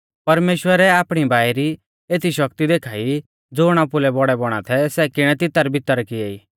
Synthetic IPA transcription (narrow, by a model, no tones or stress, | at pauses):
pɐɾmeːʃwəɾɛaːpɽ̃ibʱaːjɾi | eːt̪ʰiʃɐkt̪id̪eːkʰaːi | d͡zoːɽ̃apʊlɛbɔɽɛbɔɽ̃a̰t̪ʰɛsɛkɪɽ̃ɛt̪ɪt̪əaɾbɪt̪ːəɾkɪeiː